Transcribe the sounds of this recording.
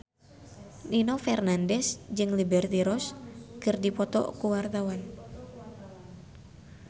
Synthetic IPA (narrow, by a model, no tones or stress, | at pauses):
ninɔfɛrnandɛsd͡ʒɨŋlibɛrt̪iɾɔskɨrdipɔt̪ɔ̰kuwart̪awan